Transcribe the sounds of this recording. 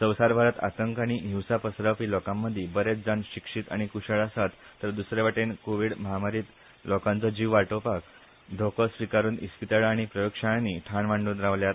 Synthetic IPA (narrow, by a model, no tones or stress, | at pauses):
səwsaɾbʱaɾət̪a̰t̪əŋkaɽ̃iɦiwsapəsɾapiːlɔkãmːəd̪ʱːjebəɾet͡sd͡zanɕikʂit̪a̰ɽ̃ikuɕəɭasat̪ːəɾd̪usɾeʋaʈenkoʋiːɽməɦamaɾiːt̪ | lɔkãnt͡sɔd͡ʑiʋʋaɾʈopak̚ | d̪ʱokəsʋikaɾuːnḭspit̪aɭːɽ̃ipɾəjokʂaɭniːʈʰaɳʋaɳɖud̪ɾaʋljaɾ